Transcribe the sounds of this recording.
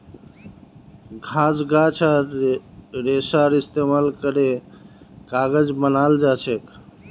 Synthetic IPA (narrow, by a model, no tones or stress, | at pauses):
ɡʱãsɡat͡ʃʰaɾ | ɾesaɾist̪emalkəɾe | kaɡəd͡ʒbənald͡ʒat͡ʃʰek